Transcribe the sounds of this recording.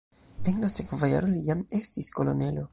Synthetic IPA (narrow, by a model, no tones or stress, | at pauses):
enlase̞kvaja̰ɾolijame̞stisko̞lo̞̰ne̞lo̞